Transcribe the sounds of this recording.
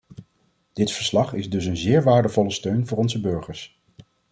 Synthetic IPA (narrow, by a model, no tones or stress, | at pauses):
d̥ɪtfə̥ɹslɑχɪzdɵsənzɪːɹʋaːɹdəvɔləstøɥnvʊːɹɔnzəbɵɹχəɹs